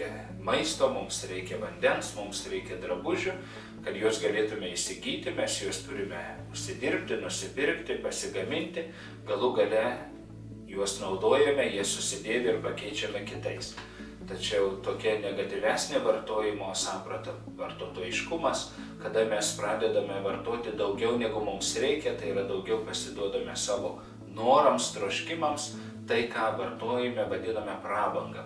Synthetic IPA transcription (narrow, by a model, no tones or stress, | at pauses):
ɛ | mɐɪst̪oːmʊmsɾʲɛɪkʲɛʋɐnʲd̪ʲɛnsmʊmsɾʲɛɪkʲɛd̪ɾɐbʊʒʲʊ | kɐt̪juɔsɡɐlʲeːt̪ʊmʲɛɪʃʲsʲɪɡʲiːt̪ʲɪmʲɛsjuɔst̪ʊɾʲɪmʲɛʊʃʲsʲɪd̪ʲɪɾʲpʲt̪ʲɪnʊʃʲsʲɪpʲɪɾʲkt̪ʲɪpɐsʲɪɡɐmʲɪnʲt̪ʲɪ | ɡɐlˠʊɡɐlʲɛ | juɔsnɐʊd̪oːjɛmʲɛjiɛsʊsʲɪd̪ʲeːʋʲɪɪɾpɐkʲɛɪt͡ʃʲɛmʲɛkʲɪt̪ɐɪs | t̪ɐt͡ʃʲɛʊt̪oːkʲɛnʲɛɡɐt̪ʲɪʋʲæːsʲnʲeːʋɐrt̪oːjɪmoːsɑːpɾɐt̪ɐ | ʋɐrt̪oːt̪oːjɪʃkʊmɐskɐd̪ɐmʲɛspɾɑːd̪ʲɛd̪ɐmʲɛʋɐrt̪oːt̪ʲɪd̪ɐʊɡʲɛʊnʲæɡʊmʊmsɾʲɛɪkʲɛt̪ɐɪɪɾɐd̪ɐʊɡʲɛʊpɐsʲɪd̪uɔd̪ɐmʲɛsɑːʋoː | noːɾɐmst̪ɾoːʃʲkʲɪmɐms | t̪ɐɪkɑːʋɐrt̪oːjɛmʲɛʋɐd̪ʲɪnɐmʲɛprɑːbɐŋɡɐ